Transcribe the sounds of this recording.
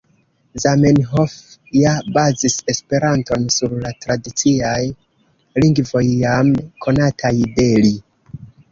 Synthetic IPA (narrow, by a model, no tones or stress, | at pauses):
zamenɦofjabazise̞spe̞ɾanto̞nsuɾlatɾadit͡siaj | liŋɡvo̞jːamkʰo̞natʰajde̞li